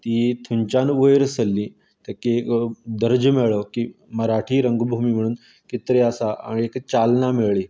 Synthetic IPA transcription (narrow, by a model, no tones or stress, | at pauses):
t̪it̪ʰuɲt͡ɕanʋəjɾəsəlːi | t̪akiekd̪əɾd͡ʑmeɭəkiməɾaʈʰiːɾəŋɡbʱumiːm̤əɽ̃uːn | kit̪ɾeəsaʔa̰niekt͡ɕalnameɭɭiː